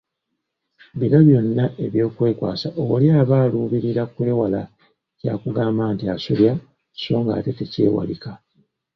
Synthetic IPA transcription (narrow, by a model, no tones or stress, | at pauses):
βinoβjo̞nːaʔe̞βjo̞ːkwe̞ːkwa̰ːsaʔoljaːβaːluːβiɾiɾakwewala | caːkuɡaːmbaːntiasuljḁ | so̞ːŋɡa̰ːte̞tecḛːwa̰lika